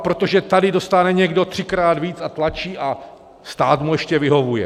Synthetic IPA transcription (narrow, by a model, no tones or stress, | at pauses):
pɾo̞t̪oʒɛt̪adɪdo̞st̪anɛɲɛɡdo̞t̪r̥ɪkɾaːd̪viːt͡sat̪lat͡ʃiːʔa | st̪aːt̪mujɛʃcɛvɪɦo̞vujɛ̰